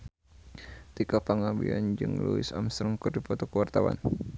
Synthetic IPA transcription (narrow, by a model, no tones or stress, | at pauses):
t̪ikapaŋabia̰nd͡ʒɨŋluɪsamst̪ɾəŋkɨrdipɔt̪ɔkəwart̪awa̰n